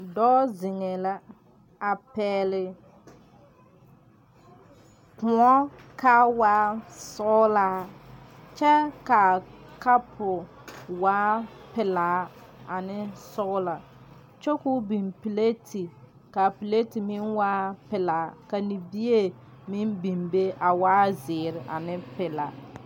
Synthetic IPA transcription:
dɔː˦zɪ˨ŋɛ˨la˦ | a˨pɛː˨lɪ˨ | kʊ˨ɔ˦ka˦waː˦sɔ˦la˨˦ | t͡ʃɛ˦ka˨ka˦pʰʊ˨ | waː˦pɪ˨laː˨ | a˨nɪ˦sɔ˦ʊ˦la˨ | t͡ʃo˦kʊ˦bi˨mpi˨le˦tʰi˨ | ka˨pi˨le˦ti˨mɪ˦nwaː˦pɪ˨la˨˦ka˨ni˨bi˦e˦ | mɪ˦nbi˨mbe˦ʔa˨waː˦zɪː˨ɾɪ˨ʔa̰˨nɪ˦pɪ˨la˨

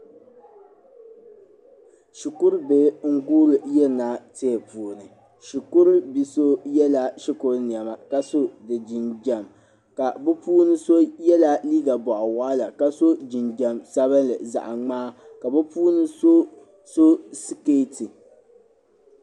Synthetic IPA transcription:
ʃi˨kʊ˦ɾbe˦ŋ̩˦ɡuː˦ɾɨ˨jɛ˦˨naː˦te˦ɛ˨puː˨nɨ˨ | ʃi˨kʊ˦ɾɨ˦bi˨so˦jɛ˦la˦ʃi˦kʊ˦ɾni˨a˨ma˨ka˦so˦dɨ˨d͡ʒi˨nd͡ʒa˨m | ka˨bʊ˦puː˦nɨ˦so˦jɛ˦la˦liː˦ɡa˨bɔ˨ʔɔ˨waː˦la˨ka˦so˦d͡ʒi˨nd͡ʒa˨msa˦βɨ˦lɨ̰˨za̰˨ʔa˨ŋ͡maː˦ | ka˨bɛ˦puː˦nɨ˦so˦ | so˦si˦keː˦tɨ˨

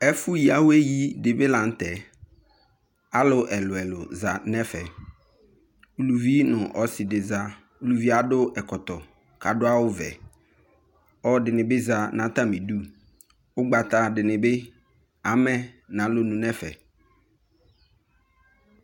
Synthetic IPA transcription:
ɛ˦fʊ˦ji˨a˦wʊ˦e˦ji˦dɪ˨bɪ˦lã˨n̩˦t̪ɛ˨ | a˦lʊ˨ʔɛ˨lʊ˨ɛ˨lʊ˨za˨nɛ˦fɛ˨ | u˨lu˨vi˦nʊ̃˨ʔɔ˨˦sɪ˨dɪ˨za˦ | u˨lu˨vi˦a˦dʊ˦ʔɛ˨kɔ˨t̪ɔ˨ | kʰa˨dʊ˦a˦wʊ˦vɛ̰˨ | ɔ˦dɪ˨nɪ̃˨bɪ˦za˨nã˨˦t̪a˦mɪ̃˨du˦ | ʊ˦ɡ͡ba˨t̪a˨dɪ˨nɪ̃˨bɪ˦ | a˨˦mɛ̃˦nã˨˦lo˦nũ˨nɛ˦fɛ̰˨

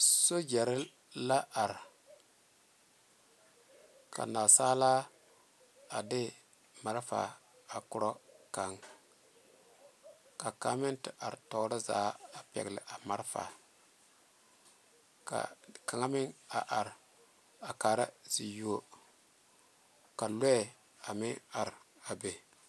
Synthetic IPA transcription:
so˦d͡ʒɛ˨ɾɪ˦ | la˦ʔa˨ɾ | kʰa̰˨na˨saː˦la˦ | a˨dɪ˦ | ma˨ɾfa̰˨a˨kʊ˦ɾɔ˦ka˨ŋ | ka˨ka˦mɪ˦ntɪ˨ʔa˨ɾtɔ˨˦ɾɪ˦za̰ː˨˦a˨pɛ̰˨ɡlɪ̰˨ʔa˨ma˦ɾfa̰˨ | ka̰˨ka˨ŋa˦mɪ˦ŋa˨ʔa˨ɾ | a˨ka˨ɾa˦zi˨jo˦ | ka˨lɛ˦˨ | a˨mɪ˦a˨ɾ | a˨be˨

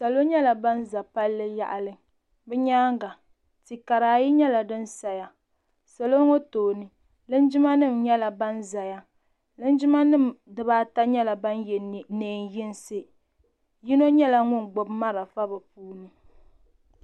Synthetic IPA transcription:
sa˨lo˦ɲɛ˦la˨ba˦nza˨pa˦lːɨ˦ja̰˦ʔa˨lɨ˦ŋ | bɛ˦ɲaː˦ŋɡa˨ | ti˨ka˨ɾaː˨ji˦ɲɛ˦la˨dɨ˦n˦sa˨ja˦ | sa˨lo˦ŋo˦toː˨nɨ˨ | lɨ˦n˦d͡ʒɪ˦ma˦nɨ˦mɲɛ˦la˨ba˦nza˨ja˦ | lɨ˦n˦d͡ʒɪ˦ma˦nɨ˦˨mdɨ˨baː˦ta˦ɲɛ˦la˨ba˦njɛ˨n˨neː˨njɪ˦n˦sɨ˦ | ji˦no˦ɲɛ˦la˨ŋʊ˦ŋɡ͡bo˨bma˦ɾa˨fa˦bɨ˨puː˦nɨ˨

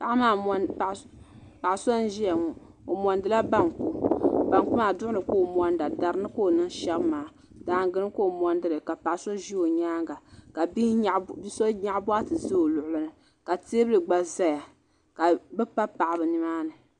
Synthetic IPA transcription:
pa˨ʔmaː˨˦˨ | pa˨ʔso˦n˦ʒi˦ja˨ŋɔ˨ | o̰˨mɔ˨ndɨ˦la˦ba˦ŋku˦ba˨ŋku˦maː˨dʊ˦ʔʊ˦nɨ˨ko˦˨mɔ˦nda˨da˨ɾɨ˦nɨ˦ko˦˨nɨ˦n˦ʃɛ˦bmaː˨˦ | daː˨ŋ˦ɡɨ˦ɾɨ˦ko˦˨mɔ˦ndɨ˦lɨ˨ka˨pa˨ʔso˦ʒi˦o˨ɲaː˦ŋɡa˨ka˨bbi˦so˦ɲa˦ʔbɔ˦a˦tɨ˨zɨ˦o˨lʊ˨ʔʊ˨lɨ˦nɨ˨ | ka˨teː˦bɨ˦lɨ˨ɡ͡ba˨za˦ja˨ | ka˨bɨ˦pa˦pa˨ʔa˨bɨ˨nɨ˦maː˦nɨ˨

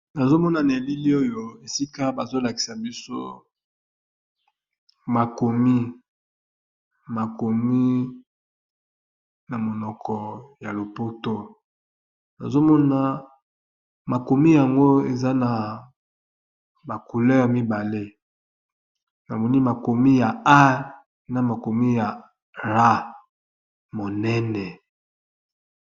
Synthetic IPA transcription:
na˨zo˦mɔ˦na˨ne˨li˦li˦o˦jo˦e˨si˦ka˦ba˨zo˦la˨ki̥˨sa˨bi˦so˦ | ma˨ko˨mi˦ | ma˨ko˨mi˦ | na˨mo˨nɔ˨kʰɔ˨ja˨lo˨po˦to˦ | na̰˨zo˦mɔ˦na˦˨ | ma˨ko˨mi˦ja˨ŋɡo˦e˨za˦na˨ | ba˨ku˨lɛ˦ja˨mi˦ba˨le˦ | na˨mɔ˨ni˦ma˨ko˨mi˦ja˨a˦ | na˨ma˨ko˨mi˦ja˨ | ʁa˦ | mo˨nɛ˦nɛ˨

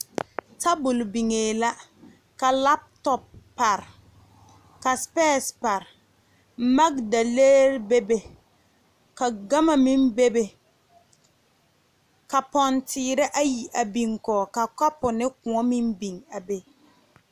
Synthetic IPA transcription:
ta˦bʊ˨lbi˨ŋeː˨la˦ | ka˨la˦p̚tɔ˨pː | a˨ɾ | ka˨spɛː˦spa˨ɾ | ma˦kda˨le˦ɾbe˦be˨ | ka˨ɡa˦ma˨mi˦mbe˦be˨ | ka˨pɔ˨ntʰɪː˨ɾɪ˦ʔa˦ji˨ʔa˨bi˨ŋkɔː˨ka˨ka˦pʊ˨nɪ˦kʊ̃˨ɔ˦mi˦mbi˨ŋa˨be˦

